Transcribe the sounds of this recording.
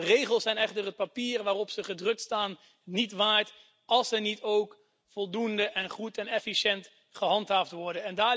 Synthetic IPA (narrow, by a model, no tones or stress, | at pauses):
rejχəlˠsɛjnɛχtərɦət̚papiːrʋaːrɔpsəχədrɵk̚tstaːnː | itʋaːɹt | ɑlˠsənitowk | fɔlˠdundəʔɛnχutɛnɛfiʃɛnt | χəɦɑntɦaːftʋɔɹdənɛndaː